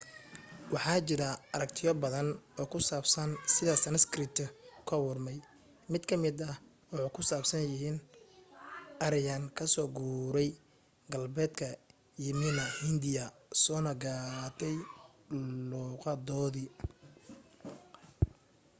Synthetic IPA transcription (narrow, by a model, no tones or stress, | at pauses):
wɑħɑːt͡ʃɪɾɐɐɾɐkt̪ʰɪjɔbɐðɐnɔːkʰʊsaːbsɐnsɪðɐsɐnɐskɾɪt̪ʰkʰɐwʊrmɛj | mɪd̪kʰɐmɪd̪ɐh | wʊħɑkʰʊsaːbsɐnjɪɦiːn | ɐɾɪjɐnkʰɐsɔːɡuːɾɛj | ɡɐlbɛːd̪kʰɐ | jɪmɪnɐhɪnd̪ɪjɐsɔːnɐɡaːt̪ʰɛj | luːqɑd̪ɔːðɪ